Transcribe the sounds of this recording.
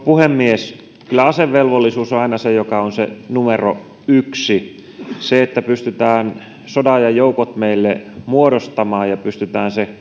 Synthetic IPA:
puhemːies | kylːˑæɑseʋʋelʋolːisuːsoɑˑinɑsejokɑonsḛnumero̰ | yksi | seet̪ːæpyst̪yt̪æːn | sodɑjɑjoukot̪meilːemuoɾost̪ɑmɑːjjɑpyst̪yt̪æːnse

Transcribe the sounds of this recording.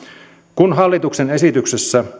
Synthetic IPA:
kunɦɑlːit̪uksenesit̪yksesːæ

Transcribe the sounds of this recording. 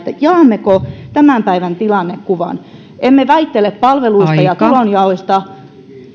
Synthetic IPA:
t̪ːæjɑːmːekot̪æmæˑmpæiʋænt̪ilɑnːekkuʋɑ̰n | emːeʋæit̪ːeleppɑlʋeluist̪ɑjɑt̪ulonjɑoist̪ɑ

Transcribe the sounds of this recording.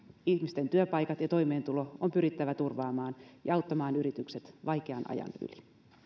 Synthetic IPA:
içmist̪e̞nt̪yøpɑjkɑt̪jɑt̪o̞jme̞ːnt̪ulo̞ompyɾit̪ːæʋæt̪urʋɑːmɑːnjɑɑwt̪ːɑmɑːnyɾit̪ykse̞t̪ʋɑjkeɑnʔɑ̰jɑ̰ny̰li

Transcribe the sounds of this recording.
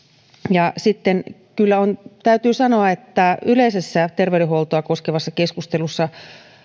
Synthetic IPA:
jɑsit̪ːenkylːæont̪æyt̪yːsɑnoɑet̪ːæyleisesːæt̪erʋeyleholt̪oɑkoskeʋɑsːɑkeskust̪elusːɑ

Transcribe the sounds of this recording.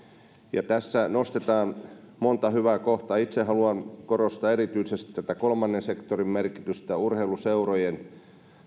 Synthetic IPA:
jɑ̰t̪æsːænost̪et̪ɑːn | mont̪ɑhyʋæːkoht̪ɑit̪seɦɑluɑnkorost̪ɑerit̪yisest̪i̥t̪ːæt̪ækolmɑnːensekt̪orimmerkit̪yst̪æurheiluseurojen

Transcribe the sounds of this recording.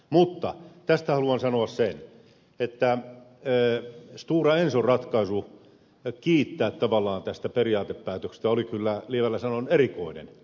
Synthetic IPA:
mut̪ːɑt̪æst̪æhɑluɑnsɑnoɑssen | et̪ːæ | st̪uːrɑensorrɑt̪kɑisu | kiːt̪ːæːt̪tɑʋɑlːˑɑːnt̪æst̪æperiɑːt̪eppæːt̪økst̪æolikylːælieʋælːæsɑnonerikoinḛn

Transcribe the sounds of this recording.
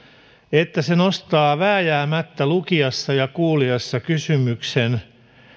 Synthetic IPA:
et̪ːæsenost̪ɑːʋæːjæːmæt̪ːælukiɑsːɑjɑkuːliɑsːɑkysymyksen

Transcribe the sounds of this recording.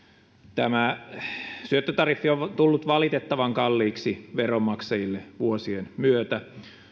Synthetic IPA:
t̪æmæ | syøt̪ːøt̪ɑriθːiot̪ulːut̪ʋɑlit̪et̪ːɑʋɑŋkɑlːiːksiʋeromːɑksɑjilːeʋuosienmyøt̪æ

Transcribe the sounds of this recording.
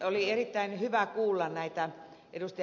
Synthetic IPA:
olierit̪ːæinhyʋækuːlːɑnnæit̪æ | ʔedust̪ɑ

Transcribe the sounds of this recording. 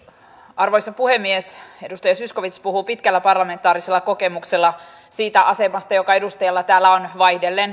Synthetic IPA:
ɑrʋo̞jsɑpuhe̞mːiese̞dust̪ɑjɑsysko̞ʋit̪spuɦuːpit̪kælːæpɑrlɑme̞nt̪ˑɑːɾise̞lːɑko̞ke̞mukse̞lːɑ | siːt̪æʔɑse̞mɑst̪ɑjo̞kɑe̞dust̪ɑjɑlːɑt̪æːlːæo̞nʋɑjhdelːen

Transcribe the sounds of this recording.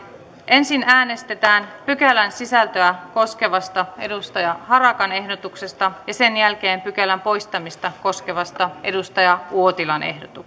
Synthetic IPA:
ʔe̞nsinæːne̞st̪e̞t̪æːnpykælænsisælt̪øæko̞ske̞ʋɑst̪ɑe̞dust̪ɑjɑɦɑɾɑkɑne̞hdo̞t̪ukse̞st̪ɑjɑse̞njælk̟e̞ːmpykælæmpo̞jst̪ɑmist̪ɑko̞sk̟e̞ʋɑst̪ɑe̞dust̪ɑjɑʔuo̞t̪ilɑnʔe̞̰ɦdot̪u

